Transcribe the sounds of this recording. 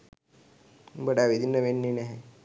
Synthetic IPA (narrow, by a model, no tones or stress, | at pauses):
bəɽaʋid̪iːnəʋenːiɳeɦe